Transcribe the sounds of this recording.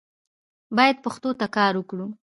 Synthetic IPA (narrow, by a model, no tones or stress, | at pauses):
bɑjad̪̚pəxt̪ot̪akɑɾwəkɽu